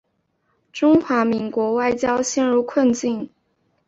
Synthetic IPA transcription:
ʈ͡ʂʊ˥ŋxwa˧˥mi˧˥ŋkwɔ˧˥wa˥˩ɪt͡ɕjɑ˥ʊɕjɛ˥˧nɻu˥˧kʰwə˥˧nt͡ɕi˥˩n

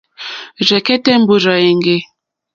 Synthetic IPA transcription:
zɛ˨kɛ˦tɛ˦m̩˦bo˦za˨e˨ŋɡe˦

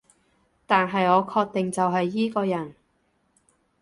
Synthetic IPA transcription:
t̪aː˨nɦɐ˨jŋɔː˨˧kʰɔː˧k̚t̪ɪ˨ŋt͡sɐ˨wɦɐ˨jːiː˥kɔː˧jɐ˨˩n

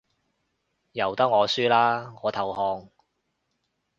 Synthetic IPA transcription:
jɐ˨˩wt̪ɐ˥k̚ŋɔː˨˧syː˥laː˥ɔː˨˧t̪ʰɐ˨whɔː˧ŋ

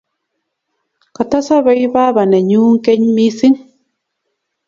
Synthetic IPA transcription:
ka˨t̪a˦sa˦βe˦jβa˦βa˨ne˨ɲuː˦ŋ˦ke˦ɲmi˦si˦ŋ

